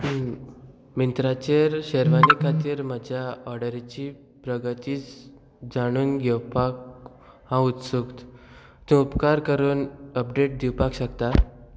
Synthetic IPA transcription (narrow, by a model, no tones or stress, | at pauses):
mint̪ɾat͡ɕeɾɕəɾʋanikʰat̪iːɾm̤əd͡ʑʱjaɔɾɖəɾit͡ɕiː | pɾəɡət̪iːt͡s | d͡zaɽ̃uːnɡʱewpak̚ | ɦãut̪sukt̪ | t̪ũupkaɾkəɾuːnəpɖeʈ̚d̪iwpakɕəkt̪a